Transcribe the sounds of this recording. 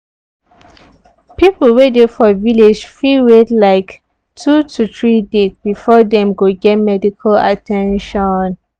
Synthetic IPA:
pipl̩ˠwedefɔviled͡ʒfiwetlaɪk | tʰutʰuθɹidesbifɔdɛ̃mɡoɡɛt̚mɛdikʰala̰tʰɛ̃nʃɔn

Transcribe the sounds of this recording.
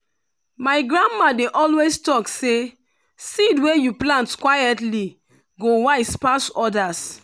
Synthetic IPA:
maɪɡɹãnmadeʔɔlwestɔkse | sidwejuplãntkwajɛtli | ɡowaɪspasɔdas

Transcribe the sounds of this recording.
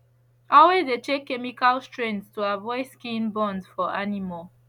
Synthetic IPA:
ɔlwezdetekːɛmikalstɹɛ̃ntstuavɔɪskĩnbɔ̃ndzfɔʔanimɔl

